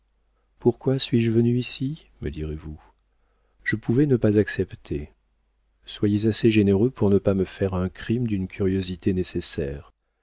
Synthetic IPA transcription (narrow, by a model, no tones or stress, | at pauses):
puʁkwasɥiʒəvənyisi | mə̰d̪iʁevu | ʒ̥əpʰuvɛnəpazaksɛpt̪ʰe | swajezaseʒeneʁøpuʁnəpaməfɛʁɛ̃kχimd̪ynkʲʰyʁjozit̪enesesɛːʁ